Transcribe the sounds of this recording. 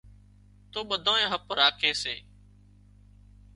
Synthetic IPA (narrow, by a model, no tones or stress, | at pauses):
t̪oːɓəd̪ʱãːẽːɦəpɾaːkʰẽːseː